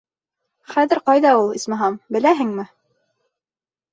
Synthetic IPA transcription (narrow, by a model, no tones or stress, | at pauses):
χæðɘ̆ɾqɑjðɑulˠismɑ̆ɦɑmbɘ̆læɦɘŋmɘ